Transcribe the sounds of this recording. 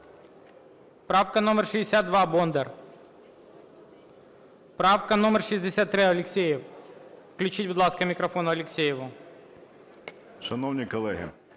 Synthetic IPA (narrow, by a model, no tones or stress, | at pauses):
pɾafkɐnomʲərʂɨɪsʲad̪̚d̪ʋabond̪ɛr | pɾafkɐnomʲərʂɨzʲdʲɪsʲat̪ːɾɪɐlʲɪksʲejɪffklʲʉt͡ɕit̚ʲbʊd̪lˠaskɐmʲɪkɾɐfonʊɐlʲɪksʲejɪʋʊ | ʃɐnownʲikɔlˠɛɦɪ̰